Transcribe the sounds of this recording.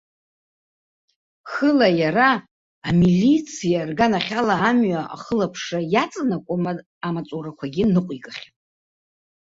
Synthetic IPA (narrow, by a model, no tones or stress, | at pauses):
χəlajaraː | milʲit͡sʰijarɡanaχʲalaːmɥaa̰χəlapʰʂajat͡sʼnakʷʼʊma | amat͡sʷʼurakʷʰaɡʲinɨqʷʼikʼaχʲatʼ